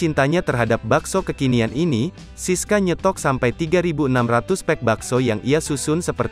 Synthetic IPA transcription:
int̪aɲat̪ərɦadap̚baksokəkinianini | siskaɲət̪ɔksampajt̪iɡaɾibuənamrat̪ʊspɛk̚baksojaŋiasusʊnsəpərt̪

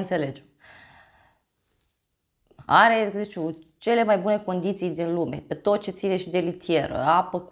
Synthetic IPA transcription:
nt̪se̞le̞d͡ʒem | a̰ɾe̞t̪ut͡ʃe̞le̞majbune̞ko̞nd̪it̪sijd̪inlume̞̰pe̞t̪o̞t̪̚t͡ʃe̞t̪sineʃid̪e̞lit̪ʰije̞ɾə̰apək

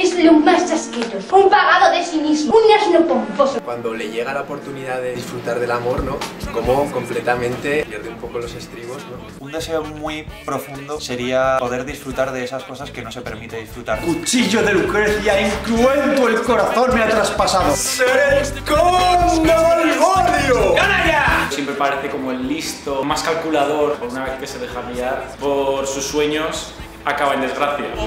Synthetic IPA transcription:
eslumastaskeɾoumpaɣaðoðesinismounaznopomposokwand̪o̞le̞ʝeɣalaopo̞ɾt̪uniðaðeðisfɾut̪aɾðe̞lamo̞ɾnoko̞moko̞mplet̪amẽ̞nt̪e̞pjeɾðeumpo̞kolo̞se̞st̪ɾiβo̞zno | und̪e̞seomwipɾo̞fund̪ose̞ɾiapo̞ðe̞ɾðisfɾut̪aɾðe̞esasko̞saske̞no̞se̞pe̞ɾmit̪eðisfɾut̪aɾkut͡ʃiʝo̞ðe̞lukɾeθjaiŋklue̞nt̪oelko̞ɾaθo̞nmeat̪ɾaspasaðosekondoalɣoðjoɡanajasjempɾepaɾe̞θe̞ko̞moelːist̪omaskalkulað̞o̞ɾpoɾunaβeθke̞se̞ðe̞xamiaɾpo̞ɾsusːwe̞ɲos | akaβaend̪e̞zɣɾaθja

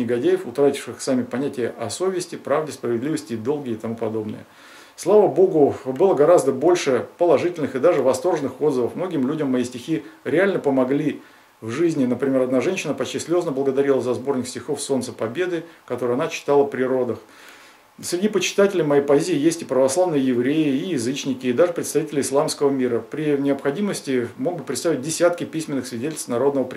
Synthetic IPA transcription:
ɪɡɐdʲejɪfʊt̪ɾatʲɪ̥fʂɨxsamʲɪpɐnʲætʲɪjəʔɐso̞vʲɪsʲtʲɪpɾavdʲɪspɾəvʲɪd̪lʲivəsʲtʲɪːd̪o̞lˠɡʲɪːt̪ɐmupɐd̪o̞bnɨ̰jə̰ | slˠavəbo̞ɡʊbɨlˠəɡɐɾazd̪əbo̞lʲʂɨpəlˠɐʐɨtʲɪlʲnɨxɨd̪aʐɨvɐst̪o̞rʐɨnɨxo̞d̪zəvəfmno̞ɡʲɪmlʲudʲəmːɐjisʲtʲɪxʲiɾʲɪalʲnəpəmɐɡlʲi | vʐɨzʲnʲɪnəpɾʲɪmʲe̞ɾɐd̪naʐɛnʲɕɪnəpɐt͡ɕtʲisʲlʲo̞znəblˠəɡəd̪ɐɾʲilˠəzɐzbo̞rnʲɪksʲtʲɪxo̞fso̞nt̪sə̥pɐbʲe̞d̪ɨkɐt̪oɾɨjɐnat͡ɕɪ̥t̪alˠəpɾʲɪɾo̞d̪əx | sʲɾʲɪdʲipət͡ɕɪ̥t̪atʲɪlʲɪjmɐjepɐzʲiːjesʲtʲɪpɾəvɐslˠavnɨjəjɪvɾʲejɪːjɪzɨt͡ɕnʲɪkʲɪːd̪aʐɨpɾʲɪt̪st̪ɐvʲitʲɪlʲɪslˠamskəvəmʲiɾəpɾʲɪnʲɪɐpxɐdʲiməsʲtʲɪmo̞ɡ̚bɨpɾʲɪt̪st̪avʲɪt̚ʲdʲɪsʲat̪kʲɪpʲisʲmʲɪnːɨxsvʲɪdʲetʲlʲst̪nɐɾo̞d̪nəvəpɾʲ

